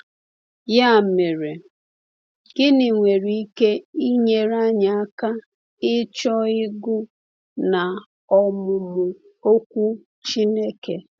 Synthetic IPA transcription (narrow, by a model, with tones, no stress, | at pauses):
ja˦me˨ɾe˨ | ɡ̥ɪ˦nɪ˨ŋʷe˨ɾi˦i˦ke˦i˦ɲe˨ɾa˦ɲa˨a˦ka˦ | ɪ˦t͡ʃɔ˦ɪ˦ɡʊ˦ | na˨ | ɔ˨mʊ˨mʊ˨ | o˦kʷu˦ | t͡ʃi˦ne˦ke˨